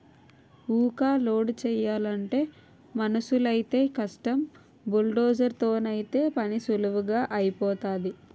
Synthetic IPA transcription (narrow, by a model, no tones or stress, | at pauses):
uːkaːloːɖt͡ʃɛːjaːlɐɳʈe̞ː | mɐnɐsulɐjit̪e̞ːkɐʂʈɐm | bulɖoːd͡ʒɐɾt̪o̞ːnɐjit̪e̞ːpɐnisuluʋuɡaːʔɐjipɔːt̪aːd̪i